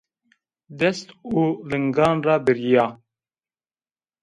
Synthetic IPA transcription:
d̪ɛst̪uːlɨŋɡɑːnrɑːbɪɾijɑː

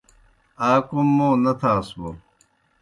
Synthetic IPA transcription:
aːkumːõːnɐt̪ʰaːswo

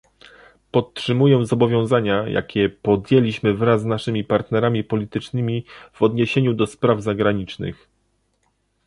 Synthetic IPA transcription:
pɔt̪ʂɘmujɛzɔbɔvʲjɔ̃w̃zaɲaja̰kʲɛpɔd̪jelʲiɕmɘvɾazːnaʂɘmʲipaɾt̪nɛɾamʲipɔlʲit̪ɘt͡ʂnɘmʲiv̥ɔd̪ɲeɕeɲud̪ɔspɾavzaɡɾaɲit͡ʂnɘ̰x

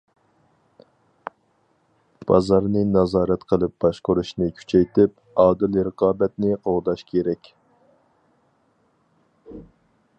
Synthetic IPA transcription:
b̥ɑ̰zɑɾnɨnɑzɑːɾɛt̪qʰəlˠɨp̚b̥ɑʃqoɾuʃnɨkʲʰy̥t͡ʃʰɛjt̪ʰɪp | ɑːd̪ɨlɾəqɑːbɛt̪nɪoʁd̪ɑʃkʲʰeɾɛkʲ

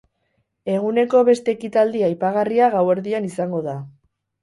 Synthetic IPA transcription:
e̞ɣ̞une̞ko̞βe̞st̪e̞ːkit̪ald̪iajpaɣ̞ariaɣawe̞ɾðianisaŋɡo̞ða

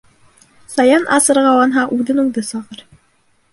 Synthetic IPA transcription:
sɑjɑnʔɑsɤ̆ɾʁɑwɑnɦɑʔʉðɘnuŋd̪ɤsɑʁɤɾ

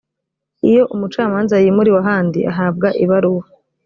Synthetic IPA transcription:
ijo̞ʔumut͡ʃaːmaːnzajiːmuɾiwaɦaːndḭʔa̰ɦaːb̚ɡaʔiβaɾuwa

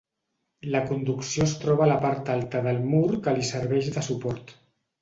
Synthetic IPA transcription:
ləkund̪uksiost̪ɾɔβ̞aləpaɾt̪alˠt̪əðəlˠmuɾkəlisəɾβɛʃðəsupɔɾt̪

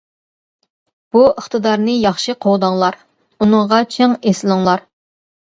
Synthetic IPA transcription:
b̥uəχt̪ɨd̪ɑɾnɨjɑχʃɨqʰowd̪ɑŋlˠɑɾ | unɨŋʁɑt͡ʃʰeŋesɪlˠɨŋlˠɑɾ

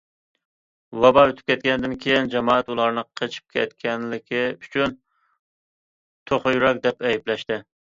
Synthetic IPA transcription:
wɑbɑøt̪ʰyp̚kʲʰɛt̪̚kʲɛnɪd̪ɪnkʲʰejind͡ʒɛmɑːɛt̪ulˠɑɾnɨqʰət͡ʃʰi̥p̚kʲʰɛ̰t̪kʲʰɛnlɪkʲʰiyt͡ʃʰyn | t̪ʰoχʊjuɾɛk̚ʲd̪ɛpɛjiblɛʃt̪ɪ

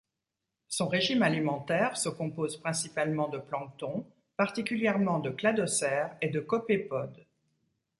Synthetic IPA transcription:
sɔ̃ʁeʒimalimɑ̃t̪ɛʁsəkɔ̃pozpχɛ̃sipalmɑ̃d̪əplɑ̃t̪ɔ̃ | paʁt̪ikʲyljɛʁmɑ̃d̪əklad̪ɔsɛʁed̪əkɔpepɔd̪

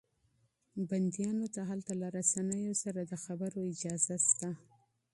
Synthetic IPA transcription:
band̪jɑnot̪aɦalt̪alaɾasanəjosaɾad̪əxabəɾoɪd͡ʒɑzast̪a

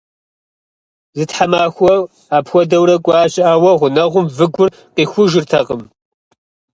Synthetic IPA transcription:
zɨtħamaːxʷɔ | aːpxʷɔdɐwɾɐkʷʼaːɕʼɪʔaːwɐʁʷʊnɐʁʷʊmvɨɡʷʊr | qiːxʷʊʒɪrtʰɐqəm

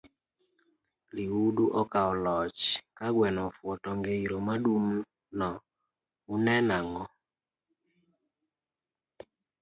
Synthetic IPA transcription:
liuduʔɔkaɔlɔt͡ʃkaɡwɛnɔfwɔtɔŋɡeiɾomaɗum | nɔ | unɛnaŋɔ

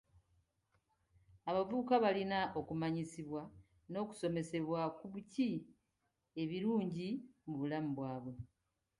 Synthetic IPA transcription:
aβavuːkaβalinaʔo̞kumaɲisiβwa | no̞ːku̥so̞me̞se̞βwakuβuci | e̞βiɾuːɲɟimuβulamuβwaːβwe̞

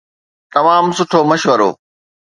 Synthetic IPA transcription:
t̪ɐmaːmsʊʈʰomɐʃʋəɾo̰ː

